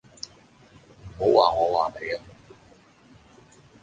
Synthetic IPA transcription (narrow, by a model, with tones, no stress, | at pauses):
m̩˨˩ɦo˨˥wwaː˨ŋɔː˨˧waː˨˩me˨˧˥jɐ˦˥m˨˩˥